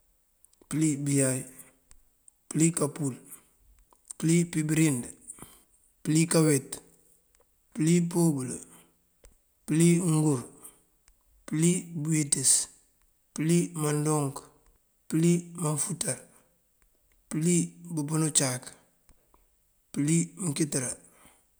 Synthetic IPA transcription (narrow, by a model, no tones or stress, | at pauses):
pilibijaj | pilikapul | pilipibɾind | plikawet | pilipobulo | pliŋɡuɾ | pilibuitis | pilimandoŋk | pilimanfutaɾ | pilibubunut͡ʃak | pilimkitɾa